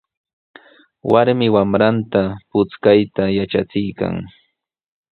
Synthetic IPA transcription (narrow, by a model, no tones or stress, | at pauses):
waɾmɪwamɾant̪apʊt͡skajt̪ajaʈ͡ʂat͡sɪjka̰ŋ